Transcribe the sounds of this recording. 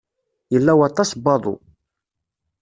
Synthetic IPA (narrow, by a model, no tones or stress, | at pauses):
jəlːæwɑt̪ˤːɑsbɑðˤṵ